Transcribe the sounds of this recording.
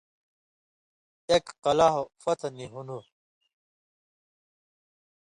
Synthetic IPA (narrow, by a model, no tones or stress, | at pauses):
ekqɐlaɦofɐt̪ʰniɦunu